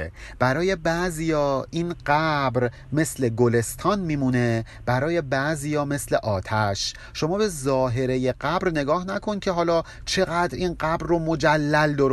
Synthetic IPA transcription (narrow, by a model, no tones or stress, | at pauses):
b̥æɾɒːje̞bæʔzijɒːinɢ̥æbɾ | me̞sle̞ɡole̞st̪ʰɒːnmiːmune̞ | b̥æɾɒːje̞bæʔzijɒːme̞sle̞ʔɒːt̪ʰæʃ | ʃo̞mɒːbe̞zɒːɦe̞ɾe̞je̞ɢæbɾne̞ɡɒːhnækʰo̞ncʰe̞ɦɒːlɒː | t͡ʃʰe̞ɣæd̪ɾinɢæbɾːomod͡ʒælːæld̪ɒɾ